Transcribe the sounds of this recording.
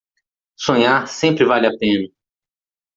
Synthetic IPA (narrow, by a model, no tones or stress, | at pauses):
sõɲaɾsẽmpɾɪvalɪapẽnɐ